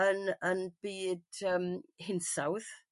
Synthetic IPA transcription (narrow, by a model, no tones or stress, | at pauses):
ənənb̥iːd̥əːmhɪnsawð